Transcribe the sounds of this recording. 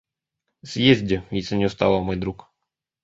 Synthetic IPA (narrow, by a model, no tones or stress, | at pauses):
sʲjezʲdʲɪvʲisʲənʲɪʊst̪alˠəmojd̪ɾuk